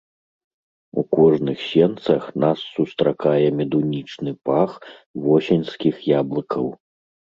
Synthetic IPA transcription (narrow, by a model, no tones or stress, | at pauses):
ṵkɔʐnɨxsʲɛnt̪sɐxnasːust̪ɾakajɛmʲɛd̪unʲit͡ʂnɨpaxvɔsʲɛnʲskʲixjablˠɨkɐw